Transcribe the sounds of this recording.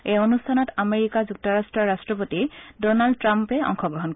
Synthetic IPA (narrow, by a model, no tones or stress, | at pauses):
ejonustʰanɔtameɹikazuk̚tɔɹastɹɔɹastɹɔp̬otidɔnaldtɹampɛɔ̰ŋxɔɡɹɔɦɔnk